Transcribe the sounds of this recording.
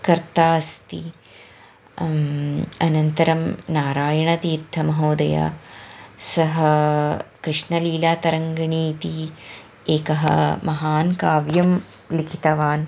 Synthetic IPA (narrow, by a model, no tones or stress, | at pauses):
kɐɾt̪aːst̪i | ɐnɐnt̪ɐɾɐmnaːɾaːjɐɳɐt̪iːɾt̪ʰːɐmɐɦoːd̪ɐja̰ | sɐɦɐ | kɾɪʂɳɐliːlaːt̪ɐɾɐŋɡɐɳiːt̪i | eːkɐɦɐ̰mɐɦaːnkaːʋjɐm | likʰi̥t̪ɐʋaːn